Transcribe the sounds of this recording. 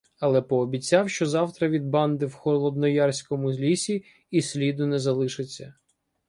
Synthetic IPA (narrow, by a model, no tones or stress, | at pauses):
ɐlˠɛpɔːbʲit͡sʲːɑwʃt͡ʃɔzɑwt̪ɾɐʋʲid̪̚bɑnd̪ɪwxɔlˠɔd̪nɔjɑrsʲkɔmʊzʲlʲisʲiː | sʲlʲid̪ʊnɛzɐlˠɪʃɪt͡sʲːɐ